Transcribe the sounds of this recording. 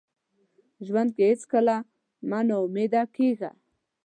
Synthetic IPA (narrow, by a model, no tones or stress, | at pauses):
ʒwand̪̚kehɪt͡skəla | manaʊmed̪akeɣa̰